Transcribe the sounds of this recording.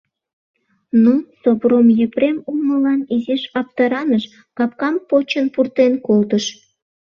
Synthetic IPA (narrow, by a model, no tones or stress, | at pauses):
nusobromjəpɾemunəlɑnizeʃɑp̚t̪ɑɾɑnəʃ | kɑp̚kɑmpot͡ɕənpurt̪enkolt̪əʃ